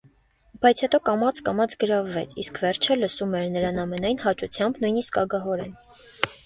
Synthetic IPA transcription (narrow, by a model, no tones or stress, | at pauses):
b̥ɑjt͡sʰhɛt̪ɔkɑmɑt͡skɑmɑt͡sʰɡəɾɑvːɛ̰t͡sʰḭskvɛɾt͡ʃʰələsumɛɾnəɾɑnɑmɛnɑjnhɑt͡ʃut͡sʰjɑmbnujniskɑ̰ɡɑɦɔɾɛn